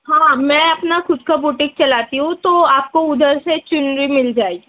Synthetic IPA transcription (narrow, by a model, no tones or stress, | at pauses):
hãːmɛ̃ɐpnaxʊd̪kabʊʈɪk̚t͡ʃɐlaːt̪iɦũt̪oaːp̚koʊd̪ʱəɾset͡ʃʊnɾimɪld͡ʒaːeɡi